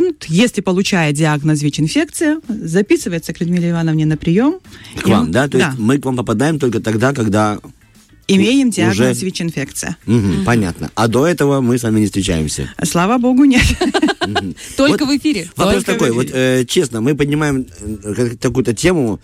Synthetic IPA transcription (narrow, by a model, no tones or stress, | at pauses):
nt̪jesʲlʲɪpəlˠʊt͡ɕæjədʲɪaɡnəs̬vʲit͡ɕɪnfʲe̞k̚t̪sɨjəzɐpʲisɨvəjɪt̪səklʲɪd̪ʲmʲilʲˠəɪvanəvnʲɪnəpɾʲɪjo̞mkva̰md̪at̪oɪsatʲmɨkvampəpɐd̪ajɪmt̪o̞lʲkət̪ɐɡd̪akɐɡd̪a | ɪmʲejɪmdʲɪaʊɡʐɛəsvʲit͡ɕʲɪnfʲekt̪sɨ̰jə̰m̩ɦm̩pɐnʲa̰t̪nə̰ad̪oɛt̪əvəmɨsvamʲɪnʲɪst̪ɾʲɪt͡ɕæ̰jɪ̰msʲə̰slˠavəbo̞ɡʊnʲe | t̪olʲkəvɨfʲiɾʲɪvɐpɾost̪ɐkojvot̪ət͡ɕe̞snəmɨpədʲnʲɪmajɪmkkɐkujʊt̪ətʲe̞mʊ